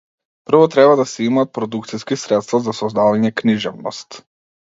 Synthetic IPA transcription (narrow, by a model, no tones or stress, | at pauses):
pr̩vɔt̪ɾɛβad̪asɛimaːt̪̚pɾɔd̪ukt̪siskisɾɛt̪st̪vazasɔzd̪avaɲɛkniʒɛvnɔ̰st̪